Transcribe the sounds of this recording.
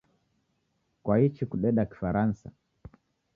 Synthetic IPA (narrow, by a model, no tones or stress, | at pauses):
kwahit͡ʃikuɗɛɗaki̥faɾansa